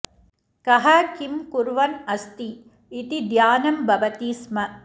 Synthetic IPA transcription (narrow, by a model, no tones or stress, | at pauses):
kɐɦɐkimkuɾʋɐnɐst̪iː | t̪id̪jaːnɐmbɐʋɐt̪iːsmɐ